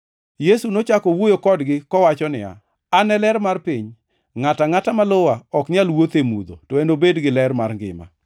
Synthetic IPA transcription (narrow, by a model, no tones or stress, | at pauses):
jesunot͡ʃakɔwojokɔdɡɪkɔwat͡ʃɔnɪ̰ja̰ | anɛlɛrmarpiɲ | ŋataŋatamalowaɔknjalwot̪emud̪o̰tɔendobedɡɪlɛrmarŋɡɪ̰ma̰